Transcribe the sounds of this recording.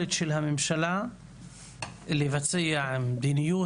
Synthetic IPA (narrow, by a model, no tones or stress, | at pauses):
let̪ʃelhamɪmʃala | livat͡sijaʕd̪inijuː